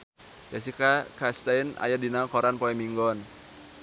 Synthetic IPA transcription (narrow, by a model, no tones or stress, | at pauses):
jas̬ikakast̪aina̰jadinakɔɾanpɔɛmiŋɡɔn